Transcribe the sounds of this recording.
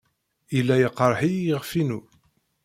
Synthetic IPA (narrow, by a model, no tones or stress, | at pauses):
ilːæjəqːɾˤħijəʁfinu